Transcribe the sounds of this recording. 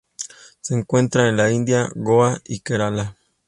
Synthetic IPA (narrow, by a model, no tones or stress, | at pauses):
seːŋkwe̞nt̪ɾaenlaind̪jaɣoaikeɾala